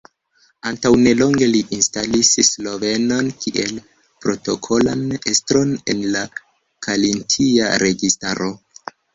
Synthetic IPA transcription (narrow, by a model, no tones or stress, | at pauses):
antawne̞lo̞ŋɡe̞liʔinstalisslo̞ve̞nonkiʔe̞l | pɾo̞to̞kʰo̞la̰nestɾo̞ne̞nla | kʰalintʰia̰ɾe̞ɡistaɾʔo̞